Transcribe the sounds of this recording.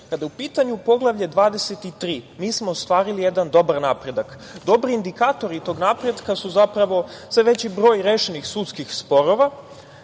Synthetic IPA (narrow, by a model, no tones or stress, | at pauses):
kad̪ajeupiːt̪aɲupo̞ɡlˠaʋʎed̪ʋaːd̪e̞set̪it̪ɾiːmiːsmo̞ːst̪ʋaːɾilijed̪and̪o̞baɾnaːpɾe̞d̪ak | d̪o̞bɾiːnd̪ikaːt̪o̞ɾit̪o̞ːɡnaːpɾe̞d̪kasuzapɾaʋo̞sʋeʋe̞t͡ɕibɾo̞ːjɾeʃenixsut̪skixspo̞ɾo̞ʋa